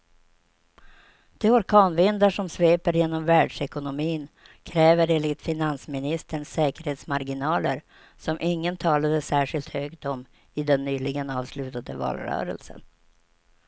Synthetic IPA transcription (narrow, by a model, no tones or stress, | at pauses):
d̪̥ɛɔɾkʰɑːnvɪnd̪aʂɔmsveːpəɾjeːnɔmvæːɖʂɛkʊnʊmiːn | kʰɾɛːvəɾeːnlɪt̪fɪnansmɪnɪst̪ʰəɳsɛːkəɾheːt̪smaɾɡɪnɑːlə̰ɾ | sɔmʔɪŋːənt̪ʰɑːlad̪əsæːʂɪlt̪høːɡt̪ɔm | ɪd̪ɛnːyːlɪɡənɑːvslʉ̟ːt̪ad̪əvɑ̰ːlɾœ̰ːɾə̰lsə̰n